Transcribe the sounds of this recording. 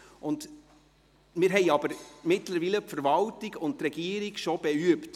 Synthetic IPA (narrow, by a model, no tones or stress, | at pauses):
ʊnd | mɪːɾɦɛɪɑbəɾmɪtləɾviːləpfəɾvɑltɪɡʊnttːɾɛɡ̥iːəɾiɡʃob̥ɛyəpt